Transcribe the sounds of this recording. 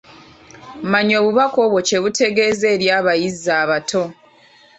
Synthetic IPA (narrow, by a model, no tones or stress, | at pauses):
maɲo̞ːβuβako̞ːβwo̞t͡ʃe̞βute̞ɡe̞ze̞ːɾjaːβajizːaːβatʰo̞